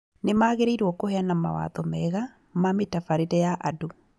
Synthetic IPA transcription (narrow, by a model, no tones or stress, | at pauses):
nemaːɣeɾeiɾwɔkohɛanama̰wa̰ðɔmɛɣa | mametafaɾeɾɛjaʔado